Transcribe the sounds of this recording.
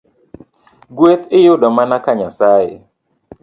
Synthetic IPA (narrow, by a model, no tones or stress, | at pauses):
ɡweθɪjʊdɔmanakaɲasaːɪ̰